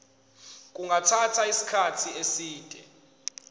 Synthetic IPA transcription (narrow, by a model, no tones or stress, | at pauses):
k̬ʼuŋɡatʰatʰaisi̥kʰatʰiesiːtʼɛ